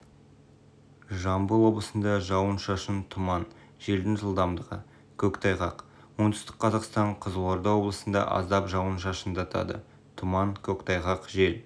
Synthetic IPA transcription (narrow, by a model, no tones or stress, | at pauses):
ʒɑmbəlˠwo̞blˠəsənd̪ɑʒɑwənʃɑʃənt̪ʰʊmɑn | ʒ̥e̞ld̪ɪnʒəlˠd̪ɑmd̪əʁə̰ | kʲʰɵkt̪ʰɑjʁɑq | wo̞nd̪ʏ̥st̪ɪ̥k̚qʰɑzɑqst̪ɑɴqʰəzloɾd̪ɑwo̞blˠəsənd̪ɑ̰ʔɑ̰zd̪ɑpʒɑwənʃɑʃənd̪ɑt̪ʰɑ̰d̪ə̰ | t̪ʰʊmɑnkʲʰɵkt̪ʰɑjʁɑqʒe̞l